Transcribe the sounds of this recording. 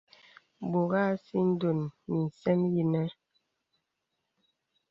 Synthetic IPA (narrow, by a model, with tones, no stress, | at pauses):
bo˨ɣa˦si˦n̩˦do˨nmi˨n̩˨sɛ˦mji˦nɛ˦